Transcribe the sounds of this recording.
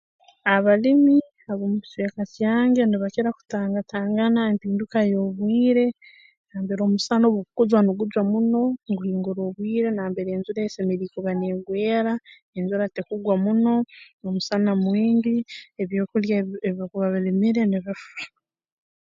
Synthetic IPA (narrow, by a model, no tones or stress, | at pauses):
aβalimi | aβomuβiswekasjaːŋɡe̞niβaceɾaku̥taːŋɡatʰaːŋɡanaempiːndukajoβwiːɾe̞ | naːmbe̞ɾo̞musanoβukukuzwanuɡud͡ʒwamuno̞ŋɡuhiːŋɡuɾoβwiːɾe̞naːmbe̞ɾeːnzuɾaesemeɾiːkuβaneːɡweːɾa | enzuɾatekuɡwamuno̞nomusanamwiːndieβjoːkuljaeβokuβaβilimiɾe̞niβifa